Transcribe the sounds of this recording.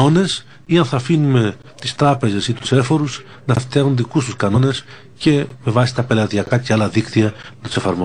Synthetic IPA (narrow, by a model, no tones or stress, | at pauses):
o̞ne̞s | iɐnθɐfinume̞ | t̪ist̪ɾɐpe̞ze̞sit̪u̥se̞fo̞ɾus | nɐft̪iɐɣunðikust̪uskɐno̞ne̞s | ce̞me̞vɐsi̥t̪ɐpe̞lɐðiɐkɐceɐlɐðikt̪iɐnɐt̪u̥se̞fɐɾmo